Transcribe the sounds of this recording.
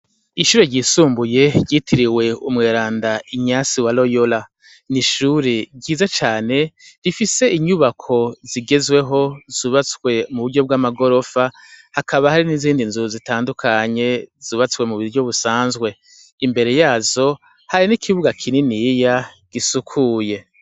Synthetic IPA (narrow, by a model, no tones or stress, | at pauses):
iʃuːɾeɾɟiːsuːmbuje̞ɟitʰiɾiwe̞umŋeːɾaːndaiɲasiwalo̞jola | niʃuːɾeɟiːzat͡ʃaːne̞ɾifise̞iɲuβakʰo̞ziɡe̞zwe̞ɦo̞z̥uːβat͡swe̞muβuɾɟo̞b̚ɡaːmaɡo̞ɾo̞fa | hakʰaβahaɾiniziːndinzuuzitaːndukʰaɲe̞z̥uːβat͡swe̞muβiɟo̞βusaːnzɡwe̞ | imbe̞ɾe̞jaːzo̞ | haɾinikʰiβuɡakʰininija | ɡ̥isukʰuːje̞